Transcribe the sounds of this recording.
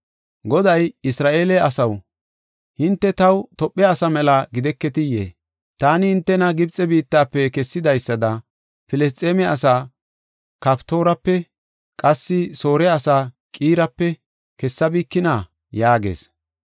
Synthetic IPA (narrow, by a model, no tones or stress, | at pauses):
ɡɔd̪ɐjɪsɾaːʔeːlɛɐsɐw | hɪnt̪ːɛt̪ɐwt̪ɔpʼːɛɐsɐmɛlɐɡɪd̪ɛkːɛt̪ɪjːḛː | t̪aːnɪhɪnt̪ːɛnɐɡɪbt͡sʼːɛbiːt̪ːaːpːɛkɛsːɪd̪ɐjsːɐd̪ɐ | pɪlɛs̬t̪ʼeːmɛɐsaː | kɐpt̪o̞ːɾɐpːɛ | kʼɐsːɪso̞ːɾɛɐsaː | kʼiːɾɐpːɛ | kɛsːɐbiːkːɪnaː | jaːɡḛːs